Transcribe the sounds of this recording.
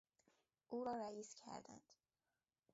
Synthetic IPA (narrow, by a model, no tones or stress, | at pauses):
ʔuːɾɒːɾæiːscʰæ̰ɾd̪æ̰nd̪̥